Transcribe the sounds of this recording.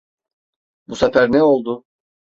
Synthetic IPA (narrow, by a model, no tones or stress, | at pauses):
busafæɾnɛo̞lˠd̪ʊ